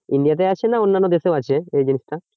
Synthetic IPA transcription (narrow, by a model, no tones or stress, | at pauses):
ind̪ijat̪̬ajat͡ɕʰenaonːanːod̪eseoat͡ɕʰeejd͡ʑinisʈa